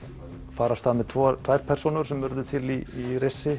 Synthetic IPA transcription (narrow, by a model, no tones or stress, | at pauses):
faːɾast̪aːðmɛðt̪ʰvɔt̪ʰvaːjɾ̥pʰɛr̥sonʏɾ̥sɛmːʏɾðʏt̪ʰɪliːrejsɪ